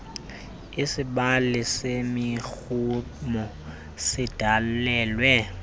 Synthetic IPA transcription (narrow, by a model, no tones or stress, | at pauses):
ɪsɪbalɪsɪmɪk͡xu | mɔ | sɪd̥ʱal̩lɛːlwɛ